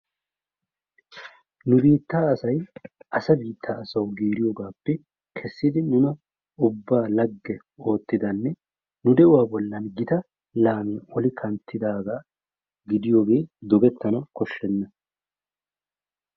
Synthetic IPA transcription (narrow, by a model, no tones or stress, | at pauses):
nʊbiːt̪ːaːɐsɐjʔɐsɐbiːt̪ʰːaːɐsɐwɡiːɾɪjoːɡaːpːɛ | kʰɛsːɪd̪ɪnʊnɐ | ʊbːaːlɐɡːɛ | o̞ːt̪ːɪd̪ɐnːɛ | nʊd̪ɛʔʊwaːbɔlːɐnɡɪt̪ɐ | laːmiːʔɔlɪkʰɐnt̪ːɪd̪aːɡaː | ɡɪd̪ɪjo̞ːɡe̞ːd̪ɔɡɛt̪ːɐnɐkɔʃːɛnːɐ